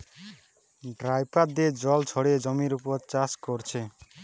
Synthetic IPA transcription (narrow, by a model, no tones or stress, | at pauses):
ɖɾajpad̪ed͡ʒɔlt͡ʃʰɔɽed͡ʒɔmiɾupɔɾt͡ʃaskɔɾt͡ʃʰe